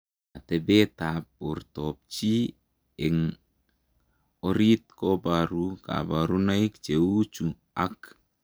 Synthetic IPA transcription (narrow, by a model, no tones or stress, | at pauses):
at̪ebet̪ap̚urt̪op̚t͡ʃi | ɛŋ | oɾit̪̚kobaɾuka̰baɾunaik̚t͡ʃeut͡ʃu | ak